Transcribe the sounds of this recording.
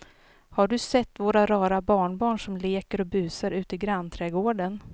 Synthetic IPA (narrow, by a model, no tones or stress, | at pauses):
haɖɵsɛt̪ːvoːɾaɾɑːɾabɑːɳbɑːɳʂɔmleːkəɾɔbʉ̟ːsaɾʉ̟ːt̪əɡɾant̪ʰɾɛːɡoːɖən